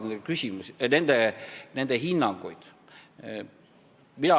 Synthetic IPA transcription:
nend̪ekysʲimusinend̪enend̪eɦinːɑŋɡ̥ṵjd̪̥ | mid̪ɑ

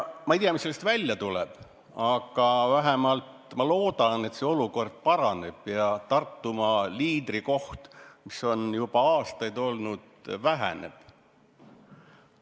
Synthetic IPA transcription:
mɑijt̪ijɑmiseːest̪vælʲjɑt̪ulɛ̰b̥ | ɑɡ̥ɑvæɦemɑlt̪mɑlo̞ːd̪̥ɑne̞t̪se̞o̞luko̞rd̪̥̚pɑɾɑne̞b̥jɑt̪ɑrt̪ːumɑliːd̪̥riko̞ht̪miso̞njubɑɑːst̪ɑjd̪o̞lnud̪̥væɦæ̰nḛb̥

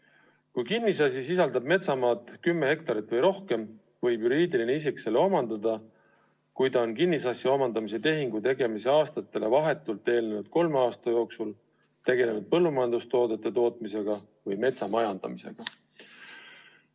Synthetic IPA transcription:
kujkinːis̬ɑsʲisisɑld̪̥ɑb̥̚me̞t̪sɑmɑːt̪ˑkymːe̞he̞kt̪ɑɾit̪ːˑvɤjɾo̞hke̞m | vɤjbjuɾiːd̪ilineisikse̞leo̞mɑnd̪̥ɑd̪ɑ | kujt̪ɑonkinːisɑsjɑo̞mɑnd̪ɑmis̬e̞t̪e̞ɦiŋɡ̥ut̪e̞ɡe̞mise̞ɑːst̪ɑt̪ːˑe̞le̞vɑɦe̞t̪ːˑult̪ːˑe̞ːlnenud̪̥ko̞lme̞ɑːst̪ɑjo̞ːksul | t̪e̞ɡe̞le̞nud̪̥̚pɤlːumɑjɑnd̪ust̪o̞ːd̪e̞t̪ːˑe̞t̪o̞ːt̪̚ˑmise̞ɡ̥ɑ | vɯjme̞t̪sɑmɑjɑnd̪̥ɑ̰mise̞̰ɡ̥ɑ

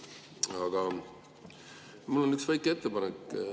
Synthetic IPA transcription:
ɑɡ̥ɑ | mulːo̞nyksvæjkːˑe̞t̪ːepɑnekː

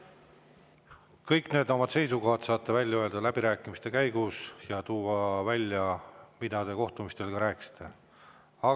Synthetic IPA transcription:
kɤjkneːd̪o̞mɑd̪̥se̞jsuko̞hɑd̪̥sɑːt̪ːevælʲjɑøld̪̥ɑlæb̥iɾæːkːˑimist̪e̞kæjɡusjɑt̪uːɑvælʲjɑmid̪̥ɑt̪e̞ːko̞ht̪umist̪e̞lkɑɾæːki̥si̥t̪ʰːˑe̞̰ | ɑ

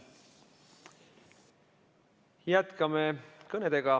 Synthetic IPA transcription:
jæt̪kɑmekɤned̪e̞ɡ̥ɑ

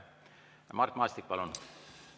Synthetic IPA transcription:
mɑrt̪mɑːst̪ik̚pɑlun

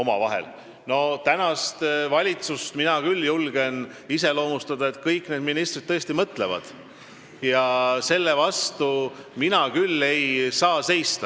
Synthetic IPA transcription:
o̞mɑvɑɦe̞̰l | no̞t̪ænɑst̪vɑlʲit̪sust̪minɑkylːjulɡ̥e̞n | ise̞lo̞ːmust̪ɑd̪̥ɑe̞t̪kɤjkːˑned̪minist̪rid̪̚t̪ːɤest̪imɤt̪le̞vɑ̰d̪̥ | jɑse̞lːe̞vɑst̪uminɑkylːe̞jsɑːse̞jst̪ɑ

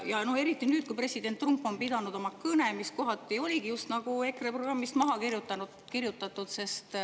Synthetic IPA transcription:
jɑno̞he̞ɾit̪ːˑinyːd̪̚kuipre̞sid̪̥ent̪ːrumpːˑo̞npid̪ɑnud̪omɑkɯne̞misko̞ɦɑt̪ːˑio̞lʲiɡijust̪nɑɡ̥ue̞kreproɡrɑmːist̪mɑɦɑkirjut̪ːˑɑnu | kirjut̪ːˑɑt̪ːˑud̪se̞st̪

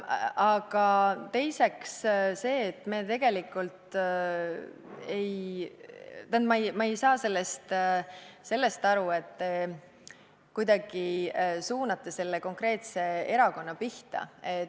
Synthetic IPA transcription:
ɑɡ̥ɑt̪e̞jse̞ksse̞ːt̪ːˑme̞t̪e̞ɡ̥e̞likult̪ | e̞j | t̪ænt̪mɑjmɑejsɑːse̞lːe̞st̪ | se̞lːe̞st̪ɑɾue̞t̪ːe | kujd̪ɑɡ̥isuːnɑt̪ːˑese̞lːe̞ko̞ŋkɾe̞ːt̪se̞e̞ɾɑko̞nːɑpiht̪ɑ̰e

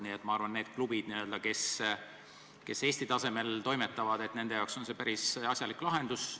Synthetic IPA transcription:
niet̪ːˑmɑɑrvɑnːe̞ːd̪̥̚klub̥id̪̥niø̞ld̪ɑke̞s | ke̞se̞ːsʲt̪it̪ɑse̞me̞lt̪o̞jme̞t̪ːˑɑvɑd̪̥e̞t̪ne̞nd̪e̞jɑwkso̞nse̞pæɾisɑsʲjɑlikːlɑɦe̞nd̪̥us

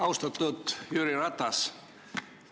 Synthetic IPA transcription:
ɑwst̪at̪ːut̪jyːɾirat̪ːas

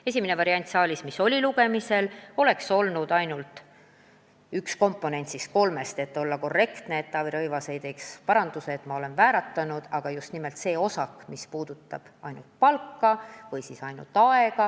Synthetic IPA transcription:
e̞sʲiminevɑɾiɑnʲt̪sɑːlʲismiso̞lʲiluɡ̥e̞mise̞lo̞le̞kso̞lnud̪̥ɑjnult̪ˑ | yksko̞mpːˑo̞ne̞nt̪sis̚ko̞lme̞st̪e̞t̪ːˑo̞lːɑko̞rːe̞kt̪ne̞et̪ːɑviɾɤjvɑse̞jt̪e̞ːkspɑɾɑnd̪use̞ːt̪mɑo̞le̞nvæːɾɑt̪ːɑnud̪̥ɑɡ̥ɑjust̪nime̞lt̪se̞ːo̞sɑkmispuːd̪̥ut̪ːɑ̰b̥ɑ̰jnult̪̚pɑlkːɑvɤjsisɑjnṵlt̪ːˑɑe̞ɡ̥ɑ

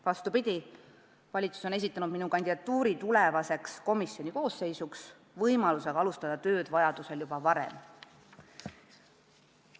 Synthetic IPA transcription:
vɑst̪upid̪̥ʲi | vɑlʲit̪su̥so̞ne̞s̬it̪ːˑɑnud̪minukɑnʲd̪id̪ɑt̪ːuːɾit̪ulevɑse̞ksko̞misːjo̞nʲiko̞ːsːe̞jsuks | vɤjmɑluseɡɑlust̪ɑd̪̥ɑt̪ø̞ːd̪̥vɑjɑd̪̥use̞ljub̥ɑvɑɾḛm

